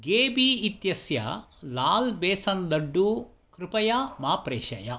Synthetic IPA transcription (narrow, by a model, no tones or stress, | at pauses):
ɡeːbiːit̪jɐsjɐ̰laːlbeːsɐnd̪ɐɖːu | kɾɪpɐjɐmaːpɾeːʃɐ̰jɐ